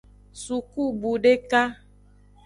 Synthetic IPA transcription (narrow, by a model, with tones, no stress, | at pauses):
su˨ku˦bu˨ɖe˦ka˦